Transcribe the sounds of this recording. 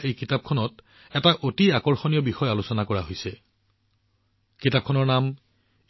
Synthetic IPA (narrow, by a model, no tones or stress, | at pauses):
ejkitap̚kʰɔnɔt | ɛtaʔotiakɔɹxonijɔbixɔjalusɔnakɔɹaɦojsɛ | kitap̚kʰɔnɔɹnam